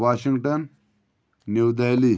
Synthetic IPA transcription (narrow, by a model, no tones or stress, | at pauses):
ʋaːɕiŋɡʈənː | ewd̪ajli